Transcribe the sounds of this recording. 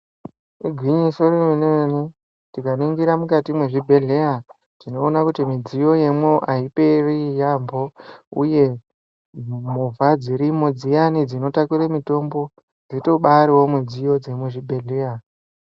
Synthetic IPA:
ɡʱwiɲisorieneeni | tikanoiŋɡiɾamukatimweʐibʱe̞ɮe̞ja | tinoːnakutimid͡zijo̞je̞mwoʔaipereijambo̞ṵje̞ | muvʱad͡ziɾimod͡zijanid͡zino̞takuɾemito̞mbo̞ | d͡zito̞ɓaɾiwo̞mid͡zijo̞d͡ze̞mweʐibʱe̞ɮe̞ja

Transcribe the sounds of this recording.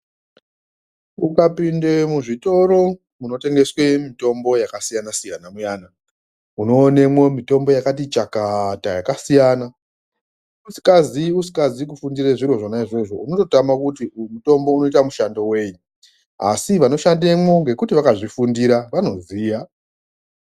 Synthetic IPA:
ukapinde̞muʐito̞ɾo̞ | muno̞te̞ŋɡe̞swe̞mito̞mbo̞jakasijanasijanamujaːna | uno̞ːne̞mwo̞mito̞mbo̞jakat̬it͡ʃakatajakasijana | usi̥kaziusi̥kazikufundiɾeʐiɾo̞ʐonaiʐe̞ʐo̞uno̞to̞tamakutimuto̞mbo̞uno̞itamuʃando̞we̞ɲu | a̰siʋano̞ʃandemwo̞ŋɡe̞kutiʋakaʐifundiɾaʋano̞ziːja

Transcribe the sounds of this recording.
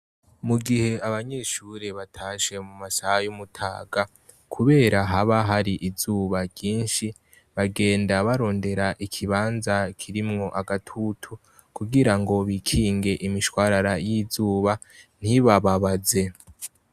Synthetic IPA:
muɡihe̞aβaɲe̞ːʃuɾe̞βatʰaːʃe̞mumasahajumutʰaːɡa | kʰuβe̞ːɾaɦaβaɦaɾiʔizuːβaɡɟiːnʃi | βaɡe̞ːndaβaɾo̞ːnde̞ɾaʔikʰiβaːnzakʰiɾimŋo̞ʔaɡatʰutʰu | kuɡiɾaŋɡo̞βikʰiːŋɡe̞ʔimiʃwaːɾaɾajizuːβa | n̥hiβaβaβaze̞

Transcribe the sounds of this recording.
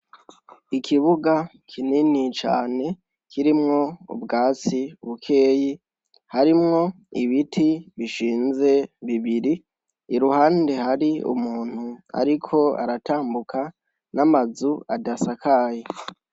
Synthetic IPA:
ikʰiβuɡakʰininit͡ʃa̰ːne̞ | kʰiɾimŋo̞ṵbɡaːt͡siuβukʰe̞ːji | haɾimŋo̞ | iβitʰiβiʃiːnze̞βiβiɾiː | ɾuhaːnde̞haɾiṵmuːn̥hua̰ɾikʰo̞a̰ɾatʰaːmbukʰa | namazuadasakʰaːje

